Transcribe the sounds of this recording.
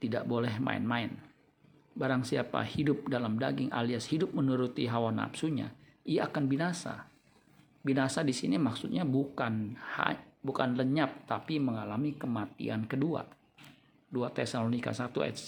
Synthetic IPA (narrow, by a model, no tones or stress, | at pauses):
t̪ida̰ʔbolɛhma̰ɪ̰nmaɪn | baɾaŋsiapa̰hidʊp̚dalamda̰ɡɪŋʔa̰liashidʊp̚mənuɾut̪iɦawana̰psuɲa̰iaːkanbinasa̰ | binasadisinimaksut̪̚ɲabukanha̰bukanləɲap̚t̪apiməŋalamikəmat̪ḭankədua̰ | duat̪ɛsalonika̰sat̪ua̰t̪